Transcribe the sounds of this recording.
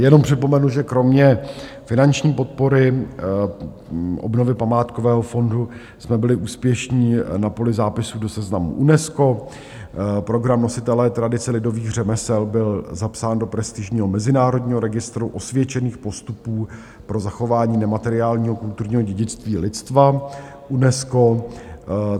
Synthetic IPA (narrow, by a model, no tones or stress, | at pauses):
jɛno̞mpr̝̥ɪpo̞mɛnuʒɛkɾo̞mɲɛ | fɪnant͡ʃɲiːpo̞t̪̚po̞ɾɪ | ʔo̰bno̞vɪpamaːt̪kovɛːɦo̞fo̞ndu | smɛbɪlɪʔuːspjɛʃɲiːnapo̞lɪzaːpɪsuːdo̞sɛznamṵʔunɛsko̞ | pɾo̞ɡɾamno̞sɪt̪ɛlɛt̪ɾadɪt͡sɛlɪdo̞viːɣr̝ɛmɛsɛlbɪlzapsaːndo̞pɾɛst̪ɪʒɲiːɦo̞mɛzɪnaːɾo̞dɲiːɦo̞ɾɛɡɪst̪ɾuʔo̞svjɛt͡ʃɛniːxpo̞st̪upuː | pɾo̞zaxo̞vaːɲiːnɛmat̪ɛɾɪaːlɲiːɦo̞kult̪uɾɲiːɦo̞ɟɛɟɪt͡st̪viːlɪtt͡st̪va | ʔunɛsko̞